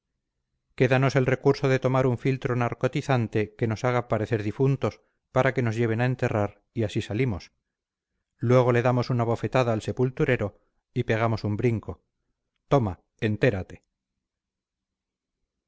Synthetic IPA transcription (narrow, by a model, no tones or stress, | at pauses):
ke̞ðanose̞lre̞kuɾso̞ðe̞t̪o̞maɾuɱfilt̪ɾonaɾko̞t̪iθant̪e̞ke̞no̞saɣ̞apaɾe̞θe̞ɾðifunt̪o̞s | paɾʔake̞no̞zʝe̞β̞e̞naent̪e̞raɾ | iasisalimo̞s | lwe̞ɣ̞o̞le̞ðamo̞sunaβ̞o̞fe̞t̪aðaːlse̞pult̪uɾe̞ɾo̞ | ipe̞ɣ̞amo̞sumbɾiŋko̞ | t̪o̞ma | ent̪e̞ɾat̪e̞̥